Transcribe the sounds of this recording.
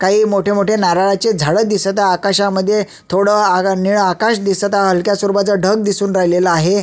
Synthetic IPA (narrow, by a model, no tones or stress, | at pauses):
kaɦiːmoʈʰemoʈʰenaɾaɭat͡ɕed͡zʱəɭəd̪isət̪aːkaɕaməd̪ʱːje | t̪ʰoɽəniɭakaɕd̪isət̪aɦəlkjasuɾuʋat͡saɖʱəɡ̚d̪isuːnɾaɦileləaɦe